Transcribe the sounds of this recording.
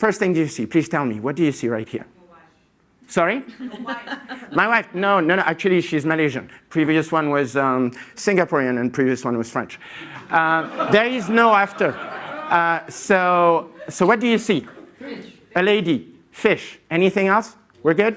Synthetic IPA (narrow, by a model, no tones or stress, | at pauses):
fɜ˞st̪̚θɪ̃ŋdɨjɨsipʰl̥iz̥tʰɛlˠmḭwʌt̚d̥ɨjɨsiɹaɪt̚hḭɹ | sɑɹi | maɪwaɪfnoʊnoʊnoʊʔæk̚t͡ʃʉl̩ˠiʃizmɨleʒɨ̃npʰɹ̥iviɨswʌ̃nwʌzʌmsɪ̃ŋɡɨpʰɔɹiɨ̃nɨ̃npʰɹ̥iviɨswʌ̃nwʌz̥fɹɛ̰̃nt͡ʃʌðə˞ɪznoʊæftə˞ʌsoʊsoʊwʌt̚d̥ɨjɨsi | əleɪdi | fɪʃɛniθɪ̃ŋɛlˠs | wɨɹɡʊd̥̚